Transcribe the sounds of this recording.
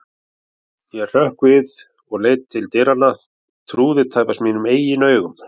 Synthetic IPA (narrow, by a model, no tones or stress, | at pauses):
jɛr̥œhkvɪð | ɔɣleːjt̪ʰːɪlt̪ɪɾanːa | t̪ʰɾuːðɪt̪ʰaːjpasmiːnʏmeːjɪnœːɥɣʏm